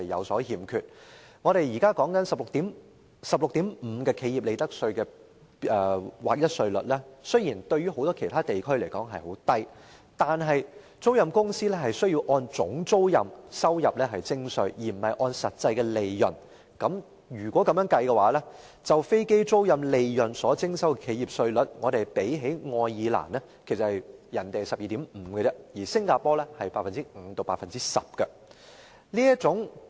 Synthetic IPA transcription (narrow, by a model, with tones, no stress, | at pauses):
ɐ˨jɐ̰˨˧wsɔː˨˥hiː˨mkʰy˨t̚ŋɔ˨˧ɾe˨jjiː˨˩kaː˥kɔː˨˥ŋkɐ˨˥nsɐ˨p̚lʊ˨k̚t̪iː˨˥m | sɐ˨p̚lʊ˨k̚t̪iː˨˥mm̩˨˧kɛː˧kʰe˨˧jiː˨p̚le˨˧t̪ɐ˥k̚sɵ˧ɥkɛː˧ | ɛː˨wa̰ː˨˩k̚jɐ˥t̚sɵ˧ɥlɵ̰˨t̚lɛː˥sɵ˥ɥjiː˨˩nt̪ɵ˧ɥyː˥ho˨˥wt̪ɔː˥kʰe˨˩jt̪ʰaː˥t̪e˨˩jkʰɵ˥ɥle˨˩jkɔː˨˥ŋɦɐ˨jho˨˥wt̪ɐ˥j | t̪aː˨nɦɐ˨j | t͡so˥wjɐ˨mkʊ˥ŋsiː˥lɛː˥hɐ˨jsɵ˥ɥji˧wʔɔː˧nt͡sʊ̰˨˥ŋt͡so˥wjɐ̰˨msɐ˥wjɐ˨p̚lɛː˥ɦɐ˨jt͡sɪ˥ŋsɵ˧ɥjiː˨˩m̩˨˩hɐ˨jʔɔː˧nsɐ˨t̚t͡sɐ˧jkɛː˧le˨jːɐ̰˨˩n | kɐ˨˥m | jyː˨˩kwʷɔː˨˥kɐ˨˥mjœː˨˥ŋkɐ˧jkɛ˧waː˨˥lɛː˥ | t͡sɐ˨wfe˥jke˥jt͡so˥wjɐ˨mle˨jjɵ˨˩nsɔː˨˥t͡sɪ˥ŋsɐ˥wkɛ˧kʰe˨˧ji˨p̚sɵ˧ɥlɵ˨˥t̚ŋɔː˨˧ɾe˨jpe˨˥jɦe˨˥jŋɔː˧jːiː˨˧la̰ː˨˩nlɛ˥ | kʰsɐ˨˩hɐ˨jjɐ˨˩nt̪e˨jsɐ˨p̚jiː˨t̪i˨˥mm̩ː˨˩kə˧t͡sɛ˧jiː˨˩sɪ˥ŋkaː˧pɔː˥lɛː˥hɐ˨jpaː˧˩fɐ˨nt͡si˥ŋ̩˨˧˦t̪o˨˧wpaː˧t̚fɐ˨nt͡siː˥sɐ˨p̚kɐ˧ | liː˥jɐ˥t͡sʊ˨˥ŋ